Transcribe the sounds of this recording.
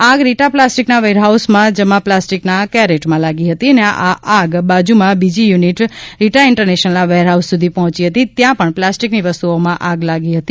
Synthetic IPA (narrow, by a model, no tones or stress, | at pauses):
aɡɾiʈaplasʈiknaʋeɾɦausmãd͡ʒəmãplasʈiknakaɾeʈmãlaɡiɦət̪iəneaʔaʔaɡbad͡ʒumãbid͡ʒijuniʈɾiʈaɪɳʈəɾneʃənəlnaʋeɾɦawsːud̪ʱipɔɦɔ̃t͡ʃiɦət̪it̪jãpəɳplasʈiknibəst̪uomãʔaɡlaɡiɦət̪i